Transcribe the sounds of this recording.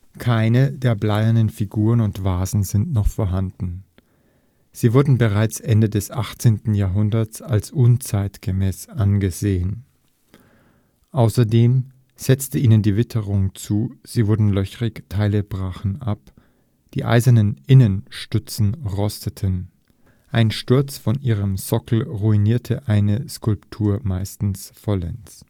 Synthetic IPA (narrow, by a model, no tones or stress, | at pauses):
kʰaɪnədeːɐblaɪəndənfiɡuːʁənʊntv̥aːzn̩zɪntnɔχfoːɐɦandn̩ | z̥iːvʊɐdn̩bəʁaɪt͡sʔɛndədɛsʔaχt͡seːntn̩jaːɦʊndɐt͡salsʔʊnt͡saɪtɡ̥əmɛːsʔanɡəzeːən | ʔaʊsɐdeːm | z̥ɛt͡stəiːnəndiːvɪtʰəʁʊŋt͡suːz̥iːvʊɐdn̩lœçʁɪktʰaɪləbʁaːχn̩ʔap | d̥ḭːʔa̰ɪzɐnənʔɪnənʃtʏt͡sn̩ʁɔstətʰən | ʔaɪnʃtʊɐt͡sfɔnʔiːʁ̞əmsɔkl̩ʁuiniːɐtʰəʔaɪnəskʰʊlptʰuːɐmaɪstn̩sfɔlɛ̰ns